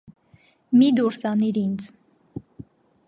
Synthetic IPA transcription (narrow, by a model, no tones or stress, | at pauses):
mid̪uɾsɑniɾint͡sʰ